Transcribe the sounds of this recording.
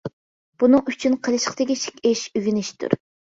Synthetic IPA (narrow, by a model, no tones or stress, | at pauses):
b̥unɨŋyt͡ʃʰynqʰəlˠɨʃqt̪ɪkʲiʃi̥kʲɪʃyvinɪʃt̪ʰṵɾ